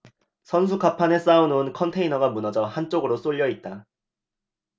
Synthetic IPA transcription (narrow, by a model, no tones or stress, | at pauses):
sʰʌns̬ʰukapʰane̞s͈aunɯnkʰʌntʰe̞inʌɡamunʌd͡ʑʌhant͡ɕ͈oɡɯɾos͈oʎːʌit̚t͈a